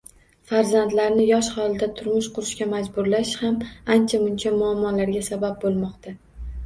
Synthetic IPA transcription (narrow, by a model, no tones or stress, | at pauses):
faɾzand̪laɾnɪjɒʃhɒlɪd̪at̪ʰʊɾmʊʃqʰʊɾɪʃkʲamad͡ʒbʊɾlaʃhamant͡ʃʰamʊnt͡ʃʰamʊamːɒlaɾɡʲasabab̚bolˠmɒqt̪ʰa